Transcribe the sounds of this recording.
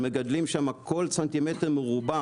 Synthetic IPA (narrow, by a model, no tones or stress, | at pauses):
meɡad̪limʃamakʰolsant̪imeteʁmeʁuba